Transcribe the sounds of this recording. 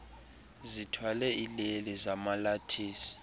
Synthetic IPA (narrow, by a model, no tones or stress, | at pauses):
zitʰwalɛilɛlɛzamalatʰiːsi̥